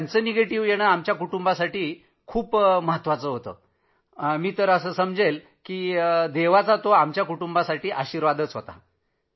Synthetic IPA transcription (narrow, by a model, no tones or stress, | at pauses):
t̪ant͡səːneɡeʈiːʋjeɽ̃əamt͡ɕjakuʈumbasaʈiː | kʰuːpməɦət̪ʋat͡səɦot̪ə̰ː | miːt̪əɾəsəːsəmd͡zel | kiːd̪eʋat͡sat̪oamt͡ɕjakuʈumbasaʈiːʔaɕiːɾʋad̪ət͡sɦot̪a̰